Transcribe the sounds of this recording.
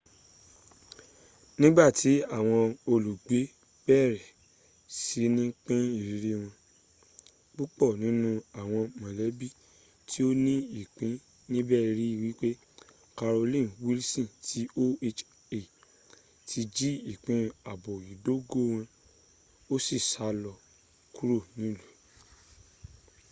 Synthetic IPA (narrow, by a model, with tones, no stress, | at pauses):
nĩ˦ba˦˨ti˨˦a˦˨w̃ɔ̃˧o˧lu˨ɡ͡be˨˦ | b̥ɛ˦˨ɾɛ˨ | si˨˦nĩ˦k͡pĩ˦i˦˨ɾɾi˦w̃ɔ̃˧ | k͡pu˦k͡pɔ˦˨nĩ˨˦nũ˧a˨w̃ɔ̃˧mã˨lɛ˨˦bi˦˨ | tʰi˦o˦nĩ˦i˦˨k͡pĩ˨˦ | nĩ˦bɛ˦˨˧ɾi˦i˦˨wi˨˦k͡pe˦ | ka˧ɾo˧lĩ˦˨wi˦lsĩ˦˨tʰi˦o˦e˧t͡ʃ | e˨ | tʰi˧d͡ʒi˦i˨k͡pĩ˨˦a˨bo˨i˨do˦ɡo˦˨w̃ɔ̃˧ | o˦si˦˨sa˨˦lɔ˧ | ku˦ɾo˦˨nĩ˨˦lu˨